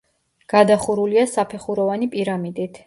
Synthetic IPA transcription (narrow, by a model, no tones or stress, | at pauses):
ɡ̥ad̪aχuɾuliasapʰɛχuɾɔvanipʼiɾamid̪it̪ʰ